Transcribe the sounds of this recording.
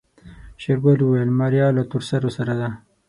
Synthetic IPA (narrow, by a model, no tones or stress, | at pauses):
ɕeɾɡaluwajəlmaɾjɑːlot̪uɾsaɾosaɾad̪a